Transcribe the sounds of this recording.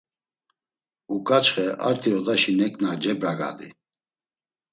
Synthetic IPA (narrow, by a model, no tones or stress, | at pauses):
ukʼat͡ʃχɛʔa̰ɾt̪ʰiɔd̪aʃinɛkʼnad͡ʒɛbɾaɡa̰d̪ḭ